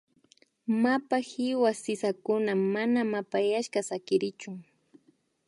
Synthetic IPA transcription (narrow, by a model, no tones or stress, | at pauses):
mapahɪwasɪsakʊnamanamapajaʃkasakɪɾɪt͡ʃʊŋ